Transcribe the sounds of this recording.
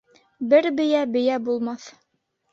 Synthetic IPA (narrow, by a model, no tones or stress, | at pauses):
bɘɾbɘ̆jæbɘ̆jæbulˠmɑθ